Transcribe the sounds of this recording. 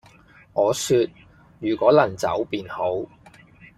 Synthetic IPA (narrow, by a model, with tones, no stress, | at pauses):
ʔɔː˨˧syː˧t̚ | jyː˨˩kʷɔː˨˥lɐ˨˩nt͡sɐ̰˨˥wpiː˨nho˨˥w